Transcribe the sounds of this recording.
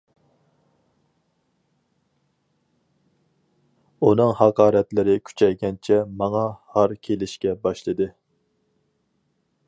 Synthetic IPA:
un̪ɨŋhɑqʰɑːɾɛt̪lɪɾɪkʲʰy̥t͡ʃʰɛjɡʲɛnt͡ʃʰɛmɑŋɑhɑɾkʲʰelɪʃkʲɛbɑʃlˠɨd̪ɨ

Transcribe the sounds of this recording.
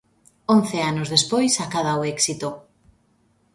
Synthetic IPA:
õn̟θeanozðespojsakaðaoɛksit̪o

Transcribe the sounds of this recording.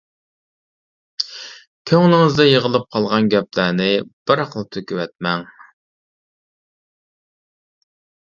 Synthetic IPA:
kʲʰøŋlɪŋɪzd̪ɛjeʁəlˠɨp̚qʰɑlˠʁɑnɡʲɛplæɾnɪb̥ɪɾqəlˠt̪ʰøkʲywɛt̪̚mɛŋ

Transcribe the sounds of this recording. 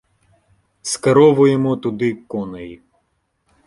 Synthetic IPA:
skɐɾɔʋʊjemɔt̪ʊd̪ɪkɔnɐji

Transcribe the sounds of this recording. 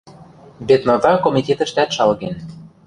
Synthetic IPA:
bet̪novɑkomʲit̪ʲet̪ə̆ʃt̪æt̪ʃɑlɣen

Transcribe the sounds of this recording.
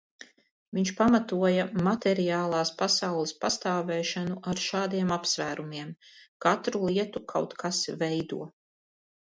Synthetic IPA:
viɲʃpamat̪uɔjamat̪ɛɾijaːlˠaːspasawlˠispast̪aːvɛːʃanuʔaɾʃaːd̪iɛmapsvæːɾumiɛmkat̪ɾulˠiɛt̪ukʰawt̪kʰasvɛjd̪uɔ

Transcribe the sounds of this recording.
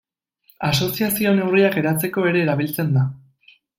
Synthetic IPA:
aso̞siasio̞newriake̞ɾat͡se̞ko̞e̞ɾe̞ːɾaβ̞ilt͡se̞nd̪a

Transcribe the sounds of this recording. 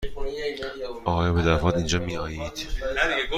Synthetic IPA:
ʔɒːjɑːbed̪æɾfɒːt̪ind͡ʒɒːmiːʔɒːjiːd̪̥

